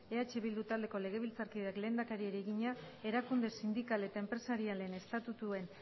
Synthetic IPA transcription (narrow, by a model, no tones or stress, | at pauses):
e̞at͡ʃe̞βild̪ut̪ald̪e̞ko̞le̞ɣ̞e̞β̞ilt͡saɾkiðakle̞ːnd̪akaɾieɾeɣiɲa | e̞ɾakund̪e̞sind̪ikale̞t̪aempɾe̞saɾiale̞ne̞st̪at̪ut̪ue̞n